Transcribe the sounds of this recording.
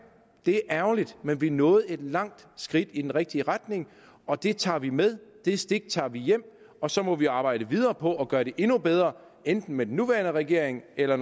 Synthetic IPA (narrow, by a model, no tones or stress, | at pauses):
d̥e̝æɐʔæɐʊlid̥menʋinɔ̽ːð̞̩ˠe̝d̥lɑ̈ŋ̰d̥sɡ̥ʁid̥id̥enʁɛɡ̥̚d̥iəʁad̥ne̝ŋ | ʔɒ̽d̥e̝t͡sʰɑ̰̈ːʋimeð̞ˠd̥e̝sd̥eɡ̥̚t͡sʰɑ̰̈ːʋijem̰ | ɒ̽sɒ̽mɒ̽ʋiɑ̈ːb̥ɑ̈ɪ̰ɾ̥əʋið̞ˠɐːpʰɒ̽ʔɒ̽ɡ̥ɶɐɾe̝ʔe̝nub̥eð̞ˠʁɐ | end̥n̩med̥en̩ːuʋæɐnəʁɛɡ̥e̝ɐ̰e̝ŋelɐ